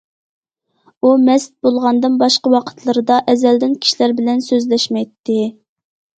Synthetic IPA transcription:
umɛst̪̚bolˠʁɑnd̪ɨnbɑʃqəwɑqʰə̥t̪ʰlˠɨɾɨd̪ɑʔɛzɛld̪ɪnkʲʰi̥ʃilæɾbɪlɛnsøzlɛʃmɛjt̪ʰːɪ

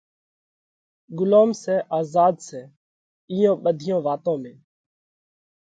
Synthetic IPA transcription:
ɡʊloːmsɛːʔaːzaːd̪sɛː | ɪːõːɓəd̪ʱɪjõːʋaːt̪õːmẽː

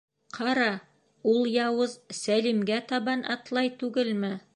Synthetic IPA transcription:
qʰɑɾɑ | ulˠjɑwɤzsælimɡæt̪ɑβɑnʔɑ̰t̪lˠɑjt̪ʉɡɘlmɘ

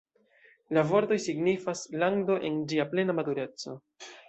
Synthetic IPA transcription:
lavoɾto̞jsiɡnifaslaŋdo̞ʔend͡ʒiaple̞namatuɾe̞t͡so̞

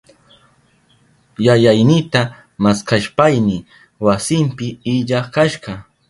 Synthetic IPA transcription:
jajajnɪt̪a | maskaʃpajnɪ | wasɪmpɪɪʎaχkaʃɢɑ

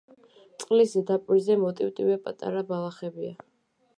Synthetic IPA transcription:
t̪sʼqʼlisɛd̪apʼwizɛmɔt̪ʼiwt̪ʼivɛpʼa̰t̪ʼa̰ɾabalˠaχɛbia

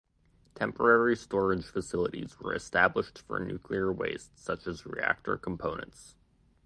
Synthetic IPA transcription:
tʰɛ̃mpə˞ɛɹistɔɹɨdʒ̥fɨsɪlˠəɾḭzwə̰˞ɨstæbləʃtfə̰˞nʉ̰kʰliə˞wḛɪstsʌt͡ʃɨzɹḭæ̰k̚tə̰˞kʰm̩pʰõʊ̃nɨ̰̃nts

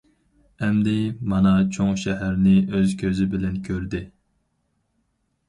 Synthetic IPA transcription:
ɛmd̪ɪmɑnɑt͡ʃʰoŋʃɛɦæɾnɪʔøzkʲʰøzɪbɪlɛnkʲʰøɾd̪ɪ

